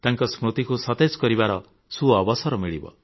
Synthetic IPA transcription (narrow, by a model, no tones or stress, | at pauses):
t̪aŋkɔsmɾut̪ikusɔt̪ed͡zkɔɾibaɾɔ | suɔbɔsɔɾɔmiɭibɔ̰